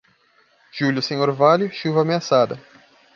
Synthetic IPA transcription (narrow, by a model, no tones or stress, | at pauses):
ʒ̥uljʊsẽɲoɾvaljʊʃuvɐaːmeasad̪ɐ